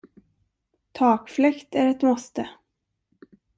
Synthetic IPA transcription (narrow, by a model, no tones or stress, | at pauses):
t̪ʰɑːkflɛkt̪æɾɛt̪mɔst̪ə